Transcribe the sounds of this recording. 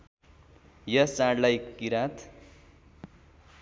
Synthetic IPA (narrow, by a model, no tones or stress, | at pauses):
jʌt͡sãɽlajkiɾat̪ʰ